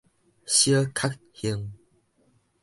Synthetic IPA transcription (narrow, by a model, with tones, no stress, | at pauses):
ɕjə˦kʰa˦˥k̚ | hi˧ŋ